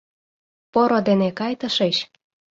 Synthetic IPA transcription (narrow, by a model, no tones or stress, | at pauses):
poɾod̪enekɑjt̪ə̆ʃeɕ